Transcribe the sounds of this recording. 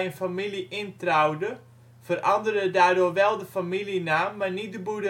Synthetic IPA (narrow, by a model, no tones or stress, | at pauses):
ənfamiliʔɪntrawdə | fərʔɑndərədaːrdʊːrʋɛlˠdəfamilinaːmːarnit̚dəbudə